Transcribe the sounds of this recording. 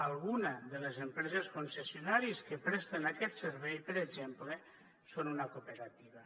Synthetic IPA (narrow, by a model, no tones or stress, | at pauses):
alˠɣunaðelezempɾɛzeskonsesjonaɾiskepɾɛst̪enakɛt̪seɾβɛjpəɾed͡ʒemple | sonunakopeɾat̪iβ̞a